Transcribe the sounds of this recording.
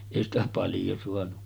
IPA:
eˑi stæ pɑljo suɑnu

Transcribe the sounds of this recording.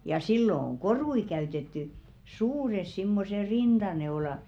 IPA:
jɑ silːo oŋ korui kæytetːy suːres simːose rind̥ɑneolɑ

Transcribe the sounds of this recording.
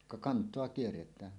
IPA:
kɑ kɑntˑoɑ kierːetˑæːn

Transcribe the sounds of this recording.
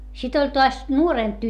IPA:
sit olʲ toɑs nuoreˑmp

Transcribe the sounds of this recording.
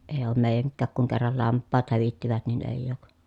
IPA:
eː oːm meˑi̯jæŋkːæːk kuŋ kerːɑl lɑmpːɑːt hæʋitːiʋæt nin eˑi̯jˑ oˑk

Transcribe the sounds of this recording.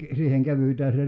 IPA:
siːheŋ kæʋytæː se

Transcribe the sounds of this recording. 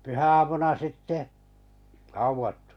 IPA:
pyhæɑmunɑ sitːe hɑuʋɑtːu̥

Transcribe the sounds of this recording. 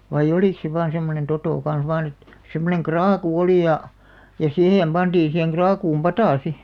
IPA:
ʋɑij̆ oliˑk se ʋɑːn semːonen totoˑ kɑn̞s ʋɑːn et semːoneŋ krɑːku oli jɑ jɑ siheˑm b̥ɑnd̥iːn̞ siheŋ ɡ̊rɑːkuːm pɑtɑˑ si

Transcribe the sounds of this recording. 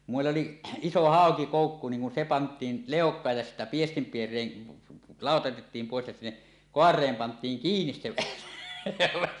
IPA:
kum meˑilː oli iso hɑˑokikoˑukːu niːŋ kun se pɑntˑiːn leˑokˑɑːj jɑ sitːæ piestimpierˑeːn lɑˑotɑ otetːiːm poˑes jɑ sinːe koɑrˑeːm pɑntˑiːŋ kiːnis se elæʋæ

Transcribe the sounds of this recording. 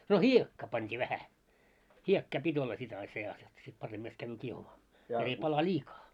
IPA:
no hiekːɑː pɑntʲiː ʋæhæ hiekːɑː pitʲ olːɑ sit ɑi seɑs j̆ŏt̆ sit pɑremːɑst kæʋːyː kiehumɑː jot ei pɑlɑ lʲiːkɑː

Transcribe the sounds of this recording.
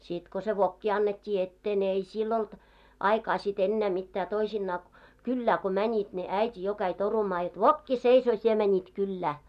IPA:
sit ko se ʋokːi ɑnːetʲːiː etːeː ne ei silː olt ɑikɑː sit enːæː mitːæː toisinːɑː kylːæː ko mænʲit ne æitʲi jo kæi torumɑː jot ʋokːi seisoː sie mænʲit kylːæː

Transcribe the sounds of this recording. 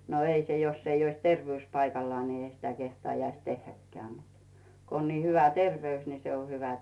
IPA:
no ei se josː ei ois terʋĕyˑs pɑikɑlːŏɑː ni ei sitæ kehtɑːjɑis tehːækːeæˑ mut ko on ni hyʋæ terʋeys ni se o hyʋæ

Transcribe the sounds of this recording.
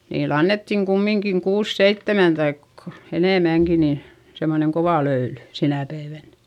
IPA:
niːl ɑnːetːiŋ kumːiŋkiŋ kuːs seitːemæn tɑik eneˑmæŋki niː semːoneŋ koʋɑˑ løyly sinæ pæiʋæn

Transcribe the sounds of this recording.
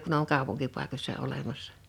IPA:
kun oŋ kɑˑupuŋkipɑˑikosʲsɑ olemɑsːɑ̥

